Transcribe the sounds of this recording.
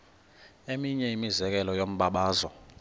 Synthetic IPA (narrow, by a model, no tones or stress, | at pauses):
emiɲɛimizɛk̬ɛlɔjom̩ɓaɓaːzɔ